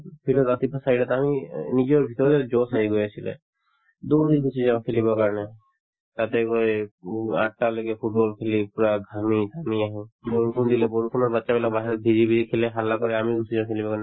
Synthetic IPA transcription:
pʰilɔzat̪ipʰasaiɖat̪aminid͡ʒɔɾbʱit̪ɔɾd̪ed͡ʒosaiɡojat͡ʃʰilḛ | d̪od̪iɡʱut͡ʃid͡ʒaãkʰelibakaɾne | t̪at̪eko | a̰ʈ̚ːalekepʰuʈ̚bɔlkʰelipuɾaɡʱamid̪ʱamiaɦɛ̃boɾukʰund̪ileboɾupʰunɔɾbatːʃabɛlakbaɦɛɾɔb̪ʱiɾibʱiɾikʰeleɦalːakɔɾɛamiɡʱusʰid͡ʒããkʰelibakaɾne

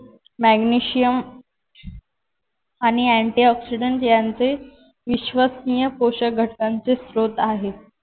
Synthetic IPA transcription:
mæɡniɕijəm | aɽ̃iæɳʈiɔksiɖəɳʈjant͡se | ʋiɕʋəsnijəpoɕəɡʱəʈːant͡sesɾot̪aɦe

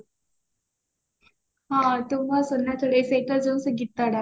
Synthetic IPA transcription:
ɦãt̪umasənːjat̪ʰəɽeseʈəd͡zəwsəɡit̪ːaɽa

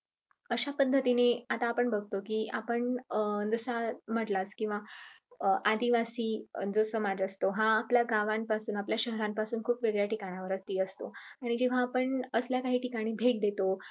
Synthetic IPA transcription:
əɕapəd̪ʱːət̪ineat̪aːpəɳbʱəɡ̚ʱt̪okiːapəɳd͡zəsam̤əʈlaskĩw̃ʋa | ʔad̪iʋasiːd͡zəsəmad͡zəst̪oɦaːpljaɡaʋampasuːnapljaɕəɦɾampasuːnkʰuːpʋeɡɭjaʈikaɽ̃jaʋəɾət͡st̪iːəst̪oaɽ̃id͡ʑeʋ̤aːpəɳəsljakaɦiːʈikaɽ̃iːbʱeʈ̚d̪et̪o

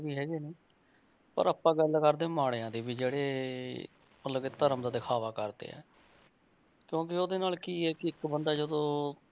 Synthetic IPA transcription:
ʋiːɦɛːɡiːniː | pə̰ɾaːpːãːɡəlkəɾd̪eːmaːɽeːãːd̪eːbiːd͡ʒeːɽeː | mət̪loːket̪əɾəmd̪aːd̪ɪkʰaːʋaːkəɾd̪ḛːɛ̰ː | kjõːk̬ɪoːd̪eːnaːlkiːɦɛːkɪɪkbənd̪aːd͡ʒəd̪õː

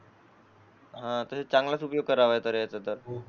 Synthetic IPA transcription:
ɦãt̪əset͡saŋɡlat͡supjoɡ̚kəɾaʋajt̪əɾjat͡sət̪əɾ

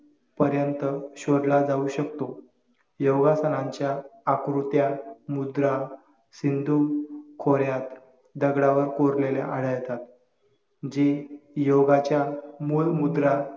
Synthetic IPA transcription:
pəɾjənt̪əɕoɾlad͡zauɕəkt̪o | joɡasənãɲt͡ɕjaːkɾut̪jamud̪ɾa | sind̪ʱukʰoɾjat̪ | d̪əɡɽaʋəɾkoɾlelḛʔaɽ̤əjt̪at̪ | d͡ʑejoɡat͡ɕjamulmud̪ɾa

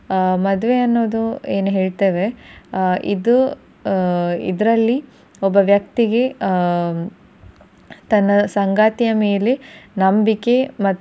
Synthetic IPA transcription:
mɐd̪ʋeɐnːo̞ːd̪ueːnuɦeːɭt̪eːʋe̞ | ḭd̪u | ḭd̪ɐɾɐlːi | ɔbːɐʋjɐkt̪iɡe̞ | t̪ɐnːɐsɐŋɡaːt̪ijɐme̞ːlenɐmbike̞mɐt̪ː

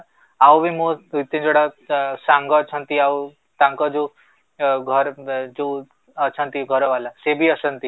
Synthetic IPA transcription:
awʋimõut̪ːẽd͡ʒoɽasãŋɡɔt͡ʃʰənt̪iaw | t̪ãŋkɔd͡ʒu | ɡʱɔɾd͡ʒu | ət͡ʃʰənt̪iɡʱɔɾɔʋalasebʱiəsənt̪i

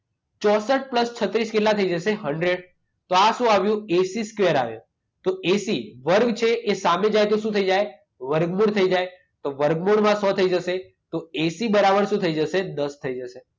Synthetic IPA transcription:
t͡ʃɔsəʈ̚pləst͡ʃʰət̪ɾiskelat̪ʰəid͡ʒəʃeɦəɳɖɾeɽ | t̪oaʃũaʋjũesiskʋeəɾa̰ʋjṵ̃ | t̪oesiʋəɾɡt͡ʃʰeʔesamed͡ʒajt̪oʃũt̪ʰəid͡ʒaj | ʋəɾɡmuɽt̪ʰəid͡ʒaj | t̪oʋəɾɡmuɽmãsɔt̪ʰəid͡ʒəʃe | t̪oesibəɾabəɳʃũt̪ʰəid͡ʒəʃed̪əst̪ʰəid͡ʒəʃe

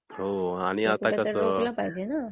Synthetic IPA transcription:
ɦoaɽ̃iat̪akkəsələpaɦjd͡ʑena

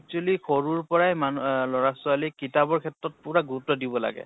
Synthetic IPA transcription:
k̚tualixʰoɹuɹpɔɹajmanlɔɹasualikitabɔɹkʰɛtɹɔt̚puɹaɡuutːɔdibɔla̰ɡɛ̰

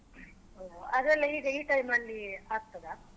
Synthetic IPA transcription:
oɦoɐd̪ɾɐlːɐiːɡeiːʈɐjmɐlːiaːɡ̚t̪ɐd̪a

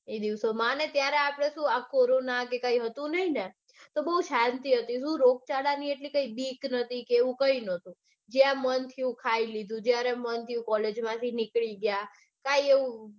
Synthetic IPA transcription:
ed̪iʋsomanet̪jaɾeapɽ̃esũakoɾonakekaiɦət̪ũnəɦine | t̪obəɦuʃant̪iɦət̪isũɾok̚t͡ʃaɽanieʈlikəibiknət̪ʰikeeʋũkəinət̪ũ | d͡ʒjãmənt̪ʰiũkʰailid̪ʱũd͡ʒjaɾemənt̪ʰiũkɔled͡ʒmãt̪ʰinɪkɭiɡja | kaieʋũ

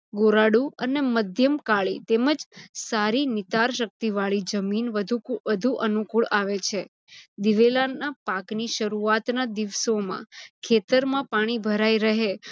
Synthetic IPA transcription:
ɡoɾaɽuəneməd̪ʱjəmkaɭḭt̪eməd͡ʒsaɾinɪt̪aɾʃək̚t̪iʋaɭid͡ʒəminʋəd̪ʱuʋəd̪ʱuʔənukuɭaʋet͡ʃʰe | d̪iʋelanːapakniʃəɾuat̪nad̪iʋsomã̰kʰet̪əɾmãpaɽ̃ibʱəɾaiɾəɦe

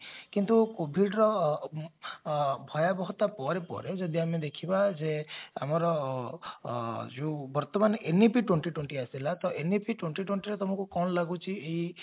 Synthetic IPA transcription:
kint̪ukobʱiɖɾɔ | bʱɔjabɔɦt̪apɔɾepɔ̰ɾed͡ʒɔd̪iamed̪ekʰibad͡ʒea̰mɔɾɔ | d͡ʒubɔɾt̪ɔmanenipʰiʈweɳʈiʈweɳʈiasilat̪ɔʔenipʰiʈweɳʈiʈweɳʈiɾet̪ɔmɔkukɔnlaɡut͡ʃʰiei

